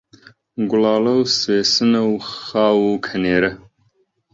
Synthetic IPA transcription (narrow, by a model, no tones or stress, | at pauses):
ɡʊlɑːlɐwseːsɨnɐwxɑːwukʰɐneːɾɐ